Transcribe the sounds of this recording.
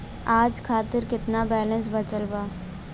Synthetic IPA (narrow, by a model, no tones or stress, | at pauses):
aːd͡ʒkʰaːt̪ɪɾkɪt̪nabɛːlə̃ns̬bɐt͡ʃəlbaː